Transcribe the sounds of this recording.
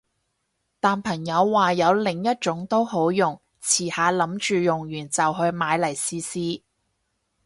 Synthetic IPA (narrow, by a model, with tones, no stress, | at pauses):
t̪aː˨˩npʰɐ˨˩ŋjɐ˨˧wːaː˨jɐ˨˧wlɪ˨˩ŋjɐ˥t̚t͡ʃʊ˨˥ŋt̪o˥wɦo˨˥wjʊ˨˩ŋ | t͡sʰiː˨˩haː˨˧lɐ˨˥mt͡ʃyː˨jʊ˨˩ŋjyː˨˩nt͡sɐ˨wɦɵ˧ɥmaː˨˧jlɐ˨˩jsiː˧siː˥